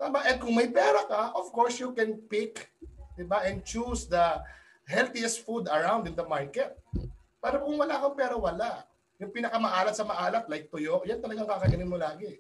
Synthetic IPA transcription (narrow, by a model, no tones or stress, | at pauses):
t̪aːmaʔɛd̪̚kʊŋmɐjpɛːɾɐkɐʔov̥koɹsjukɛnpɪkd̪ɪbaʔɛnd̪̚t͡ʃusd̪ɐ | ɦɛlt̪ɪɛst̪fud̪ɐɹawnd̪ɪnd̪ɐmaɹkɛt̪̚ | pɛːɾokʊŋwɐlaʔkoŋpɛːɾɐwɐlaʔ | jʊŋpinɐkɐmɐʔaːlɐt̪sɐmɐʔaːlɐt̪̚lajk̚t̪ʊjoʔjɐnt̪ɐlɐɡaŋkakɐɡɐnɪnmolaːɡɛ